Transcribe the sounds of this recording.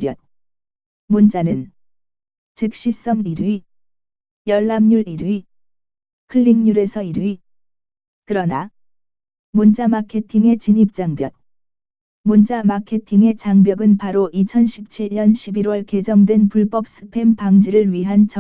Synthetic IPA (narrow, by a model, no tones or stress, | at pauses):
jʌt̚ | munt͡ɕanɯn | t͡ɕɯk̚ɕ͈is͈ʌŋiɾɥi | jʌɭːamɲuɭiɾɥi | kʰɯɭːiŋɲuɾe̞sʰʌiɾɥi | kɯɾʌna | munt͡ɕ͈amakʰe̞tʰiŋe̞t͡ɕiɲip̚t͡ɕ͈aŋbjʌt̚ | mund͡ʑ͈amakʰe̞tʰiŋe̞t͡ɕaŋbjʌɡɯnpaɾoʔit͡ɕʰʌnɕʰip̚t͡ɕʰiʎɲʌnɕʰibiɾwʌɭke̞d͡ʑʌŋdwe̞npuɭp͈ʌp̚s͈ʰɯ̥pʰe̞mpaŋd͡ʑiɾɯɭɥiɦant͡ɕʌ